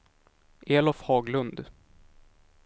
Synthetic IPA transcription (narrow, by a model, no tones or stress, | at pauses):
ʔeːlɔfhɑːɡlɵnd̪